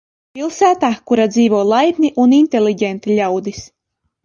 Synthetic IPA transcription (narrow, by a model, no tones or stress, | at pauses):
pʲilˠsæːt̪aːkuɾad̪ziːvuɔlˠajb̪ʲnʲiʔunint̪ʲelʲiɟʲɛnt̪ilʲawd̪is